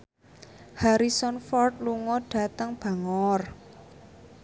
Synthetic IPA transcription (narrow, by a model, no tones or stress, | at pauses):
haɾisɔnfɔrt̪̚luŋɔɖ̥a̤t̪əŋb̥a̤ŋɔr